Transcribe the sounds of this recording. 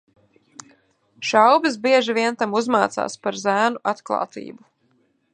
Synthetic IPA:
ʃawbis̬biɛʒiviɛnt̪amuzmaːt̪sa̰ːspaɾzæːnuʔat̪klˠa̰ːt̪ḭːbu

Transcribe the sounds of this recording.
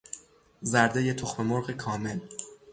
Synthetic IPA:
zæɾd̪ejet̪ʰoxme̞moɾɢekʰɒːme̞l

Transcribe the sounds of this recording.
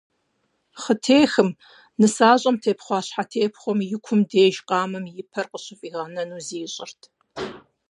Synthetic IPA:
χətʰeːxɨm | nɨsaːɕʼɐmtʰeːpχʷɑːɕħatʰeːpʰχʷɔmjɪkʷʰʊmdeːʒqʼɑːmɨmjɪpʰɐrqəɕɪfʼiːʁɐnɐnuːziːɕʼɪrtʰ

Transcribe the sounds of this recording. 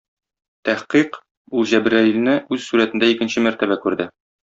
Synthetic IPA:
t̪æhqiq | ulˠʑæbɾæilnɘʔʉzsuɾæt̪ɘ̆nd̪æikɘ̆nɕɘmæɾt̪æbækʉɾd̪ɘ

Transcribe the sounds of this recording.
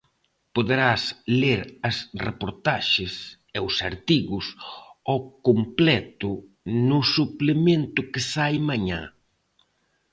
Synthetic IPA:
poðeɾasleɾɐsrḛpoɾt̪aʃɪs | ɛʊsaɾt̪iɣʊsɔkomplɛt̪ʊ | nʊsuplemẽnt̪ʊkɪsajmaɲa̰

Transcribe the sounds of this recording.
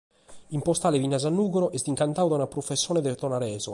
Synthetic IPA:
impɔst̪aːlevinːazanːuːɣoɾɔʔɛst̪iŋkant̪aːwðanapɾofesːjɔːnɛd̪ɛt̪ɔnaɾɛːzo̰

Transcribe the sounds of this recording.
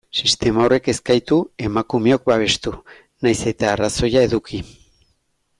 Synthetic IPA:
sist̪e̞maore̞ke̞skajt̪ue̞makume̞o̞k̚baβ̞e̞st̪u | najse̞t̪aːraso̞jae̞ðuki

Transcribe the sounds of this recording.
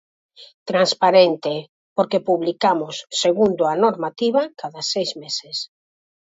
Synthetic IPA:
t̪ɾanspaɾent̪e | poɾkepuβlikamʊsːeɣund̪oanoɾmat̪iβ̞akaðasejzmeses

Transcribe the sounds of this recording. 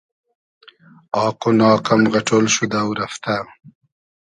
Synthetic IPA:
ɑːqonɑːqamɣɐʈʰolʃud̪awɾɐft̪a

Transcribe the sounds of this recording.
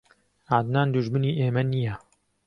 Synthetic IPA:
ad̪naːnd̪uʒmɨniːʔeːmɐnijɛ

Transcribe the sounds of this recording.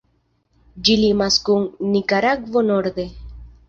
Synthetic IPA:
d͡ʒilimaskunːikaɾaɡvonoɾd̪e̞

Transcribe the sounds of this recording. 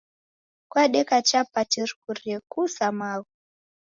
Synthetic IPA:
kwaɗɛkat͡ʃapatiɾkuɾiɛkusamaɣu

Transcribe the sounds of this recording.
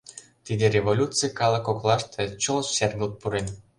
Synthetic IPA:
t̪ʲid̪ʲeɾʲevolʲut͡sɨjkɑlˠɑ̆koklˠɑʃt̪ʰĕt͡ɕulˠʃserɡult̪̚puɾenʲ

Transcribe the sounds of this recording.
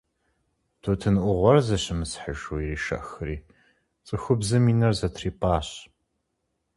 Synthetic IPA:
d̥ʰutʰɨnʔʷʊʁʷɔrzɐɕɪmɨsħəʒuiriːʃɐ̰ʔxɨriː | t͡sʼɨxʷʊbzɨmiːnɐrzɐtʰriːpʰʼaːɕ

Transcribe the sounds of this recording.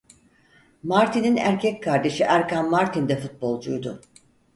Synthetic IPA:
maɾt̪ʰininæ̰ɾcʰɛckʰːaɾd̪e̞ʃiʔæɾkanmaɾt̪ʰind̪ɛfut̪̚bo̞lˠd͡ʒujd̪ʊ

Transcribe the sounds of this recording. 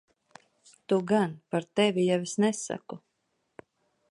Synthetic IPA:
t̪uɡanpaɾt̪ɛvʲijavisnɛsa̰ku

